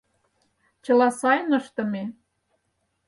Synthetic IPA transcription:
t͡ɕɤ̆lɑsɑjnɤʃt̪ə̆me

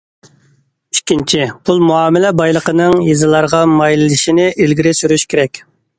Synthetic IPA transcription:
ykʲːint͡ʃʰipʰulˠmuɑːmɪlɛbɑjlˠəqənɨŋjezɨlˠɑɾʁɑmɑjlˠɨlɨʃinɪʔilɡʲiɾɪsyɾyʃkʲʰeɾɛkʲ

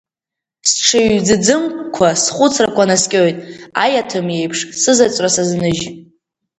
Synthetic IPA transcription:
sʈ͡ʂʰɨɥd͡zɨd͡zɨmkʷʰasχʷʊt͡sʰrakʷʰanaskʲʼojtʼa̰jatʰɨmje̞jpʰʂsɨzat͡sʷʼrasaznɨʒ

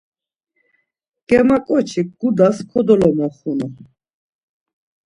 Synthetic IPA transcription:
ɡ̥ɛmakʼɔt͡ʃʰiɡud̪askʰɔd̪ɔlɔmɔχunu

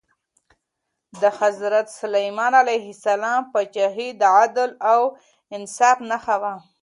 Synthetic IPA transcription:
d̪əhazɾat̪salajmɑnalajɦɪsalɑmpat͡ʃaɦid̪ʕad̪law | ɪnsɑfnaxawa

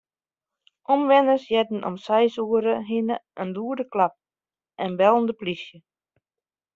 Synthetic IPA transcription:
ʔɔmʋɛnəsjɛdn̩ʔɔ̰msɛjsuəɾəɦinəʔənduːdəklap̚ | ʔɛnbɛlˠndəplisjə

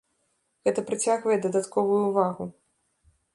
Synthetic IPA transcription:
ɣɛt̪ɐpɾɨt͡sʲaɣvɐjɛd̪ɐd̪at̪kɔvujuvaɣu

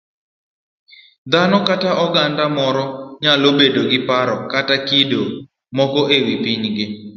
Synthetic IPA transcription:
d̪anɔkataʔɔɡandamɔɾɔɲalobedoɡɪpaɾɔkatakido | mɔkɔʔewipiɲɡɪ

